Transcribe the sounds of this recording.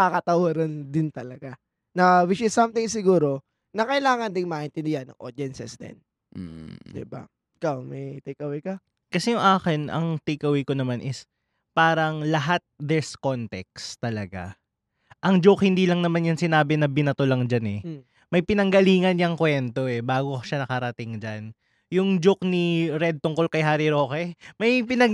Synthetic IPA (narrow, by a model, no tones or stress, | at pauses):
kakɐt̪ɐwaɾɐnd̪ɪnt̪ɐlɐɡa | nɐwɪt͡ʃɪsːɐmt̪ɪŋsɪɡuːɾo̞ | nɐkɐɪlaːŋɐnd̪ɪŋmaːʔɪnt̪ɪnd̪ɪhɐnːɐ̰ŋʔoɾd̪ɛnsɛsd̪ɛ̰n̩ | d̪ɪ̰ba̰ | ʔɪkawmɐjt̪ɪkɐwɪkɐ | kɐsɛjʊŋʔaːkɪnʔɐ̰ŋt̪ɪkɐwikonɐmanʔɪs | paːɾɐŋlɐɦat̪̚d̪ɛɹskont̪ɛk̚st̪ɐlɐɡa̰ | ʔɐŋd͡ʒokhɪnd̪iːlɐŋnɐmanjɐŋsɪnaːbɪnɐbɪnɐt̪olɐŋd͡ʒanɛ | mɐjpɪnɐŋɡɐliːŋɐnɲɐŋkwɛnt̪o̞ʔɛbaːɡoʃanɐkɐɾɐt̪ɪŋd͡ʒan | jʊŋd͡ʒokniɾɛd̪̚t̪ʊŋkolkɐjɦaːɾiɾo̞ːkɛmɐjpɪnɐ